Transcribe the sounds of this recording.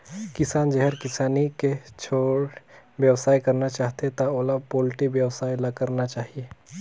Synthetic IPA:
kɪsaːnd͡ʒɛɦəɾkɪsaːniket͡ʃʰoːɽwjəwsaːjkɐɾnat͡ʃaːɦt̪et̪aoːlapoːlɪʈibjəwsaːjlakəɾnat͡ʃaːɦie

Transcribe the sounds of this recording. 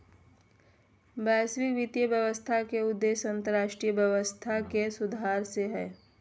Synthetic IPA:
bɛːswɪkʋɪt̪jəbjəʋəst̪ʰakeʊd̪ːeːʃɐ̃nt̪əɾaːʃʈɾiːjəbjɛʋəst̪ʰakesʊd̪ʱaːɾseɦɛː

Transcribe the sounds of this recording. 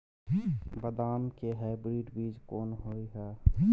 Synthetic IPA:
bəd̪aːmkeɦaːɪbɾiːɖbiːd͡ʒkoːnɦoːiɦɛː

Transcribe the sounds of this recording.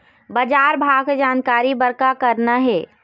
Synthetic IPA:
bɐd͡ʒaːɾbʱaːɡd͡ʒaːnkaːɾibəɾkakɐɾnaɦɛː

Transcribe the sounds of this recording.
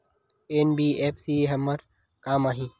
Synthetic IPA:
eːnbiːeːpʰsiːɦɐmɐɾ | kaːmaːɦĩː

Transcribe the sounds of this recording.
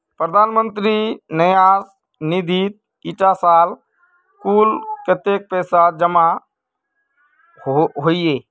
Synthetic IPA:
pɾəd̪ʱaːnmə̃nt̪ɾinəjaːs | nid̪ʱiːt̪̚ | iʈasaːl | kuːlket̪eːk̚pɛːsad͡ʒəma | ɦoieː

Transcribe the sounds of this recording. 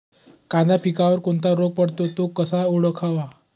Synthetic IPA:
kad̪apikaʋəɾkoɳt̪aɾoɡ̚pəɽt̪ot̪okəsauɽəkʰaʋa

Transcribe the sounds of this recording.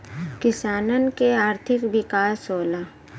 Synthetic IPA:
kɪsaːnənkeaːɾt̪ʰɪkʋɪkaːsoːla

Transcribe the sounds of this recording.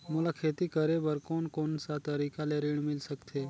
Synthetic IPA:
mʊlakʰeːt̪ikəɾebəɾkoːnkoːnsat̪ɐɾiːkaleɾɪɽ̃mɪlsəkt̪ʰeː

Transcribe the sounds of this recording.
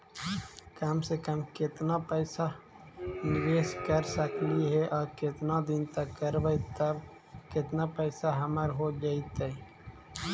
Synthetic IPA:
kəmsekəmkɪt̪napəɪsa | nɪʋeːskəɾsəkliɦɛʔɔːɾkɪt̪nad̪ɪnt̪əkːəɾʋəjt̪əb | kɪt̪napəɪsaɦəməɾɦod͡ʒait̪ɛ

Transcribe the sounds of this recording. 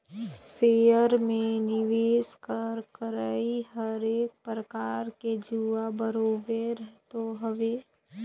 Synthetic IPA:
sejəɾmẽnɪʋeːskəɾkəɾaiɦəɾeːk̚pɾəkaːɾked͡ʒuabəɾoːbeɾəɦt̪oɦəʋeː

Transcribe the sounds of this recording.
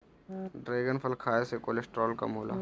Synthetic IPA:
ɖɾeːɡənfʰəlkʰaːesekoːlesʈɾɔːlkɐ̰mɦoːla̰ː

